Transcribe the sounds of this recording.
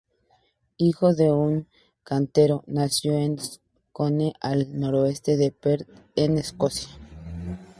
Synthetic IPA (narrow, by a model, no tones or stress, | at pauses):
ixoðe̞uŋ | kant̪e̞ɾo̞nasjoen | koneʔalno̞ɾoest̪e̞ðepeɾ | eneskosja